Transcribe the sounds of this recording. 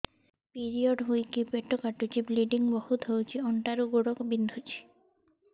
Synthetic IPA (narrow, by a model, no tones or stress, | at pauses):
piɾiɔɖɦujkipeʈɔkaʈut͡ʃʰibliɖiŋbɔhut̪ɦowt͡ʃʰiɔɳʈaɾuɡoɽɔkɔbind̪ʱut͡ʃʰi̥